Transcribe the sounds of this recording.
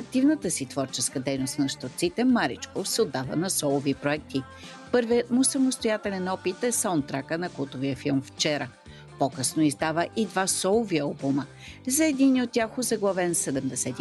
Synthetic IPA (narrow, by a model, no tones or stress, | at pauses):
ɐk̚t̪ivnət̪əsit̪vɔɾt͡ʃɛskəd̪ɛjnost̪nɐʃt̪ot̪sit̪ɛmaɾḭt͡ʃkofsɛod̪ːavə̰nɐsɔlˠovipɾoɛk̚t̪i | pɤɾviət̪mʊsɐmʊst̪ojat̪ɛlɛnɔpit̪ɛsaʊnt̪ːɾakənɐkulˠt̪oviəfilˠmft͡ʃɛɾə | pokɤsnoizd̪avəʔid̪vasɔlˠoviɐlˠbumə | zɐɛd̪iniot̪̚ːʲaxʊzɐɡlˠɐvɛnsɛd̪ɛmd̪ɛsɛt̪i